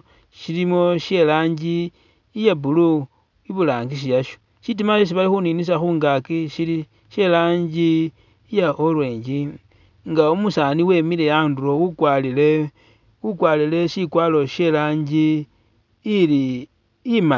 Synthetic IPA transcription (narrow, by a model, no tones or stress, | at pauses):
ʃilimo̞ʃje̞laːɲɟiː | jabulu | iβulaːŋɡiʃ̬ijaʃo̥ | ʃit̬imaʃis̬iβalixuninis̬axuːŋɡakiʃili | ʃe̞laːɲd͡ʒiː | jaʔolwe̞ːɲd͡ʒi | ŋɡaumusaːniwe̞mile̞janduɾo̞ukwalile | ukwalile̞ʃikwaːlo̞ʃe̞laːɲɟiː | liː | ma